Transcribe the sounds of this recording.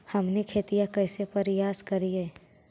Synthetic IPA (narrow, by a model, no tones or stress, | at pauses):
hɐmnekʰeːt̪ijakɛːsepɐɾɪjaːskɐɾiɦɛː